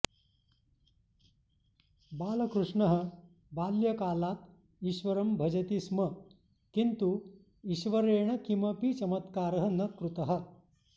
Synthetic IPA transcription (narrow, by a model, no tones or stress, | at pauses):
baːlɐkɾuʂɳɐɦə | baːljɐkaːlaːt̪ | iɕʋɐɾɐmbʱɐd͡ʒɐt̪ismɐ | kint̪u | iɕʋɐɾeːɳ̃ɐkimɐpit͡ʃɐmɐt̪kaːɾɐɦɐnɐkɾut̪ɐɦɐ̆